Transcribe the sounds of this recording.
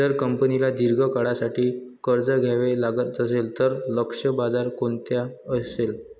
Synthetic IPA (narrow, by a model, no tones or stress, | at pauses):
əɾkəmpənilad̪iɾɡʱəkaɽasaʈiːkəɾd͡zəɡʱjaʋelaɡət̪əselt̪əɾləkʂəbad͡zaɾkont̪jaəsel